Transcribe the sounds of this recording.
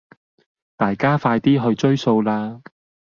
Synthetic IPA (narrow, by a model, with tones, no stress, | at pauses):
t̪aː˨jkaː˥faː˧jt̪iː˥ɦɵ˧ɥt͡ʃɵ˥ɥso˧wlaː˧